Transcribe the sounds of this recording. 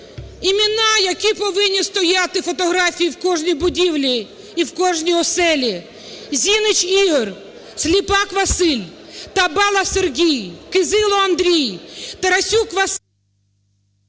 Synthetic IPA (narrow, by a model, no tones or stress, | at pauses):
imʲɪnɑjɐkʲipɔʋɪnʲːist̪ɔjat̪ɪfɔt̪ɔɦɾɑfʲijiwkɔʒnʲijbʊdʲiwlʲi | iwkɔʒnʲiɔsɛlʲi | zʲinɪt͡ʃiɦɔr | sʲlʲipɑkʋɐsɪlʲt̪ɐbɑlˠɐserɦʲijkɪzɪlˠɔɐnd̪ɾʲijt̪eɾɐsʲukʋɐs